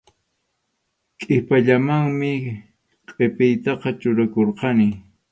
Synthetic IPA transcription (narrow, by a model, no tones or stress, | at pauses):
kʼɪpaʎamaŋmɪ | qʼepɪjt̪ɑqɑt͡ʃʊɾakoɾqɑnɪ